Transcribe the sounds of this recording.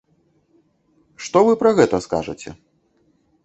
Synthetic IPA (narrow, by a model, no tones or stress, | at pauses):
ʂt̪ɔvɨpɾɐɣɛt̪ɐska̰ʐɐ̰t͡sʲɛ̰